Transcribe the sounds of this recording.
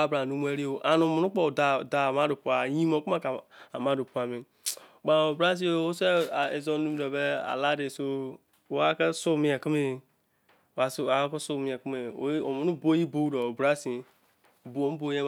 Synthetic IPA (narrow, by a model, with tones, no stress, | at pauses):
a˦bɾa˨nu˦mu˦e˦ɾi˦o˨ʔa˨nu˨mu˨nu˦k͡po˦˨da˨da˨ma˦do˨pu˨a˨jĩ˦mo˨ku˦ma˦˨ka˨ma˦do˨pu˨˦a˨mi˨ | ɡ͡ba˨o˨bɾa˦s̬i˦o˦˨o˦se˦˨e˨zo˦nu˦mi˦do˨be˦a̰˨la˦de˨so˦˨˦ | a˦ke˦su˦˨mi˦e˨ki˦me˦˨ | a˨˦˨a˨˦ko˦su˦˨mi˦e˨ku˦me˨˦o˨mu˨nu˦bo˦i˦bo˦do˨o˨bɾa˦si˨ | bu˨o˨m˦bo˨˦e˦